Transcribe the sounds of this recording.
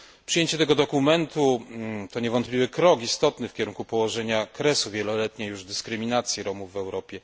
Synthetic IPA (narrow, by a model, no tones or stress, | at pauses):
pʂɨjeɲt͡ɕɛt̪ɛɡɔd̪ɔkumɛnt̪ut̪ɔɲɛvɔnt̪plʲivɘkɾɔkist̪ɔt̪nɘfkʲɛɾuŋkupɔwɔʐɛɲakɾɛsuvʲjɛlɔlɛt̪ɲɛjuʐd̪ɘskɾɘmʲinat̪sʲjiɾɔmuvːɛwɾɔpʲjɛ